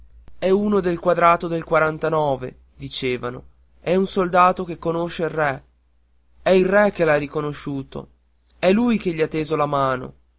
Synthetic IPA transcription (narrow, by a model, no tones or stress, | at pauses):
ɛuːnod̪elkwad̪ɾaːt̪od̪elkwaɾant̪anɔːvḛ | d̪it͡ʃeːvano̰ | ɛunsold̪aːt̪ok̟ekːonoʃeilrɛ | ɛilrɛk̟ːelajrikonoʃːuːt̪o̰ | ɛlːujk̟eʎːiat̪ːeːzolamaːno̰